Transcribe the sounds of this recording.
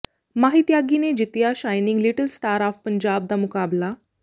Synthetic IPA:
maɦit̪jaɡined͡ʑit̪jaɕajniŋɡliʈəlsʈaɾɔfpəɲd͡ʑab̚d̪amukabla

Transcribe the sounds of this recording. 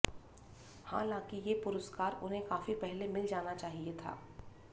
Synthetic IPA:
hã̰ːlãːkijepʊɾəskaːɾʊnɦẽkaːfipɛɦlemɪld͡ʒaːnat͡ʃaːɦiet̪ʰa̰ː

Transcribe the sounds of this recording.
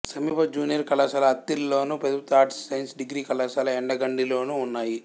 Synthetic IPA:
sɐmiːpɐd͡ʒuːnijɐɾkɐlɐsɐlɐɐt̪ːilloːnuped̪ut̪aːʈsːɐjnsɖiɡɾiːkɐlɐsɐlɐɛɳɖɐɡɐɳɖiloːnuːnːaːji

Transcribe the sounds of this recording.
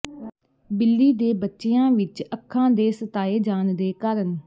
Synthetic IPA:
bɪlːiːd̪eːbətːʃejãːʋɪt͡ʃəkʰːãːd̪eːsət̪aːeːd͡ʒaːnd̪eːkaːɾən

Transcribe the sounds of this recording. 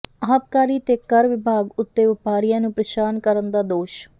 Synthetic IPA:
əɦət̪̚kaːɾiːt̪eːkəɾʋɪbʱaːɡʊt̪ːeːʋɪpaːɾijãːnũːpɾəʃaːnkəɾənd̪aːd̪oːʃ

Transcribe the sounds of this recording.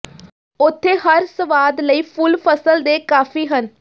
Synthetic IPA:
ʊt̪ʰːeːɦəɾsəʋaːd̪ləiːpʰʊlpʰəsəld̪eːkaːfʰiːɦən

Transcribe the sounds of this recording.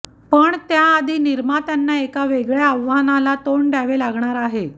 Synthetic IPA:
pəɳt̪jaːd̪ʱiːniɾmat̪janːaekaʋeɡɭjaəʋːanalat̪oɳɖʱaʋelaɡʱɳaɾaɦe

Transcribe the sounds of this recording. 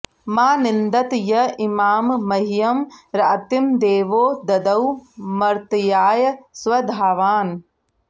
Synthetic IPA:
maːnɪnd̪ɐt̪jɐimaːmːɐɦijɐmɾɐt̪imd̪eːʋoːd̪ɐd̪ɐwmɐɾt̪jaːjɐsʋɐd̪ʱaːʋaːn

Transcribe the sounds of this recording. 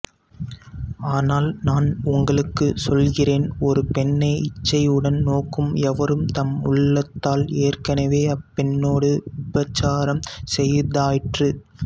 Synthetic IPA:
aːnaːlnaːnʊŋɡɐɭɯkːɯsɔlɣɪreːnɔɾɯpɛnːɐɪt͡ʃːɐɪɯɽɐnnoːkːɯmɛʋɐɾɯmt̪ɐmʊ̰ɭːɐt̪ːaːleːrkɐnɐʋeːɐpːɛnːoːɽɯʊbɐt͡ʃːaːɾɐmsɛjðaːjɪʈrɯ

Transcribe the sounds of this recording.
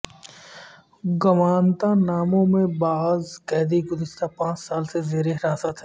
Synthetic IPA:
ɡɐmaːnt̪ãnaːmõmẽbaːzkɛːd̪iɡʊzɪʃt̪ʰapãːt͡ʃsaːlsezeːɾeɦɪɾaːsət̪ʰɛː

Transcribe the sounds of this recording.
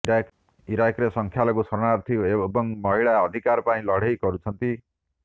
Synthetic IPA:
iɾakɾesʌŋkʰjalʌkosʌɾɳaɾt̪ʰijoebʌŋmʌɦiɭaʌd̪ʱikaɾpaĩlʌɽ̤ʱejkʌɾut͡sʰʌnt̪i

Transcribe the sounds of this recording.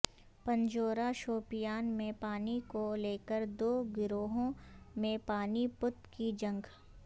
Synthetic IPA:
pɐ̃ɲd͡ʒoːɾaʃoːpɪjaːnmẽpaːnikoleːkəɾd̪oːɡɪɾoːɦõmẽpaːnipʊt̪kid͡ʒɐ̃ŋɡ

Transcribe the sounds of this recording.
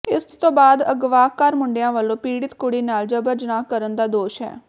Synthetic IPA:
ɪst̪õːbaːd̪əɡʋaːkəɾmʊɳɖɪjãːʋəlːõːpiːɽɪt̪kʊɽiːnaːld͡ʒəbəɾd͡ʒənaːkəɾənd̪aːd̪oːʃɦɛ̰ː

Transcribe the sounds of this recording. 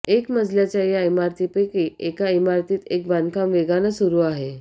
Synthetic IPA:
ekməd͡zʱljat͡ɕjajaimaɾt̪ipekiːekaimaɾt̪iːt̪ek̚bankamʋeɡanəsuɾuːaɦe

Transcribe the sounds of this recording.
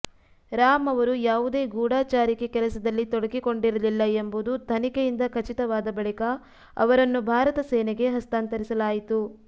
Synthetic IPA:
ɾaːmɐʋɐɾujaːʋud̪e̞ːɡuːɽaːt͡ʃaːɾikekɛlɐsɐd̪ɐlːit̪oɽɐkiko̞ɳɖiɾɐlilːɐembud̪ut̪ʰɐnikejind̪ɐkʰɐt͡ʃit̪ɐʋaːd̪ɐbɐɭikɐ | ɐ̰ʋɐɾɐnːubʱaːɾɐt̪ɐsɛːnɛɡe̞ɦɐst̪aːnt̪ɐɾisɐlaːjit̪u

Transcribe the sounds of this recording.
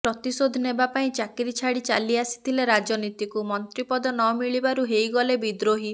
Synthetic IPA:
pɾɔt̪isod̪ʱɔnebapaĩt͡ʃakiɾit͡ʃʰaɽit͡ʃaliasi̥t̪ʰileɾad͡ʒɔnit̪ikumɔnt̪ɾipɔd̪ɔnɔmiɭibaɾuɦejɡɔlebid̪ɾoɦi

